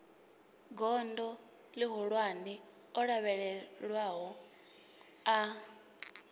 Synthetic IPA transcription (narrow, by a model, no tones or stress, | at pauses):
ɡɔndɔ | liɦɔɺwani | ɔɺaβɛɺɛɺwaɦɔ | a